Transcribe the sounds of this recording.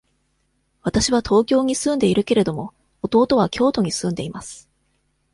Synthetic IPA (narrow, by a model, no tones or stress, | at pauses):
β̞at̪aɕiβ̞at̪ʰo̞ːkʲo̞ːɲ̟isɨ̃nd̪e̞iɾɯ̟ke̞ɾe̞d̪o̞mo̞ | ot̪o̞ːt̪o̞β̞akʲo̞ːt̪o̞ɲ̟isɨ̃nd̪e̞imasɨ̥